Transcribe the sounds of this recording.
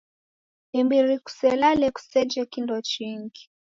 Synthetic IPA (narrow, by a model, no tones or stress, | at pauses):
ɛmbiɾiku̥sɛlalɛku̥sɛd͡ʒɛkindɔt͡ʃiŋɡi